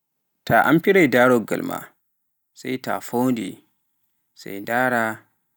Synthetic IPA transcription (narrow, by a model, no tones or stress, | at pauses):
tʰaʔampiɾajdaːɾɔɡa̰lma̰ | sajta̰fowndḭ | sa̰jdaːɾa